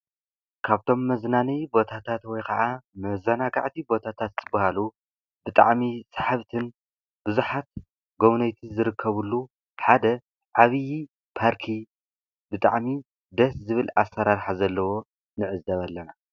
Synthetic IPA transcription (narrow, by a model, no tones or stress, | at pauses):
kʰaβt̪ʰo̞mːɐznanijbo̞t̪ʰat̪ʰat̪wɔjkʰɐʕamɐzɐnaɡa̰ʕt̪ʰibo̞t̪ʰat̪ʰat̪zʰɨbːɐhalu | bɨt̪ʼa̰ʕmisḁħaβt̪ʰɨn | b̥ɨzuħat̪̚ | ɡo̞βnɐjt̪ʰizɨɾɨkʰːɐβulːu | ħad̪ɐ | ʕaβɨji | pʰaɾkʰi | bɨt̪ʼa̰ʕmi | d̪ɐszɨβɨla̰sːɐɾaɾħazɐlːɐwo̞ | nɨʕɨzd̪ɐβɐlːɐna